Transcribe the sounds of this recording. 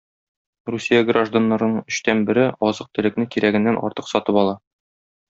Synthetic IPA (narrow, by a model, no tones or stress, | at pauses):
rusʲijaɡraʒd̪anːɑɾɤ̆nɤɴɵ̆ɕt̪ænbɘ̆ɾɘɒzɤq̚t̪ɵ̆lɘ̆knɘkiɾæɡɘ̆nːænʔɒ̰ɾt̪ɤqsɒt̪ɤpɒlˠɑ